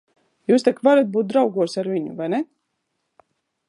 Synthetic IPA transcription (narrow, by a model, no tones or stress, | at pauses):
juːst̪ɛkvaɾat̪̚buːt̪̚d̪ɾawɡuɔsaɾvʲiɲṵvajnɛ